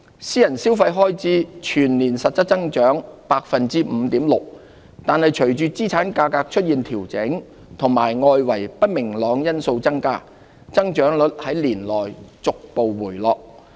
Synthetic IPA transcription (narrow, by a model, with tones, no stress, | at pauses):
siː˥jɐ˨˩nsiː˥wfɐ˧jɦɔː˥jt͡siː˨˥t͡ʃʰyː˨˩nliː˨˩nsɐ˨t̚t͡sɐ˥t̚t͡sɐ˥ŋt͡ʃœː˨˥ŋpaː˧k̚fɐ˨nt͡siː˥m̩˨˧t̪iː˨˥mlʊ˨k̚ | t̪aː˨nɦɐ˨jt͡ʃʰɵ˨˩ɥt͡ʃyː˨˧t͡siː˥t͡sʰaː˨˥nkaː˧kaː˧k̚t͡ʃʰɵ˥t̚jiː˨nt̪ʰiː˨˩wt͡sɪ˨˥ŋ | t̪ʰʊ˨˩ŋma̰ː˨˩jŋɔː˧jwɐ˨˩jpɐ˥t̚mɪ˨˩ŋlɔː˨˧ŋjɐ˥nso˧wt͡sɐ˥ŋkaː˥ | t͡sɐ˥ŋt͡ʃœː˨˥ŋlɵ˨˥t̚hɐ˨˥jliː˨˩nlɔː˨˩jt͡sʊ˨k̚po˨wːuː˨˩jlɔː˨˧k̚